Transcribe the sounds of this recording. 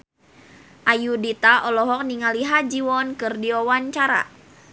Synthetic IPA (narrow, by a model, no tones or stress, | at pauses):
ʔajudit̪aʔɔlɔɦɔk̚niŋaliɦad͡ʒiwɔnkɨrdiɔwaɲt͡ʃaɾa̰